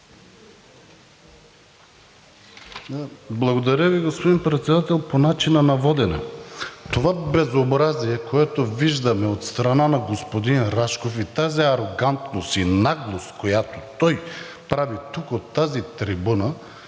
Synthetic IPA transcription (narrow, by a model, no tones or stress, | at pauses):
blˠɐɡod̪ɐɾʲəviɡospod̪inpɾɛt̪sɛd̪at̪ɛlˠponat͡ʃinɐnɐvɔd̪ɛnɛ̰t̪ovabɛzobɾaziɛkoɛt̪oviʒd̪ɐmɛot̪st̪ɾɐnanɐɡospod̪inɾaʃkofit̪aziɐɾoɡant̪nost̪inaɡlˠost̪kojat̪o̥t̪ɔj | pɾavit̪ukot̪ːazit̪ɾibunə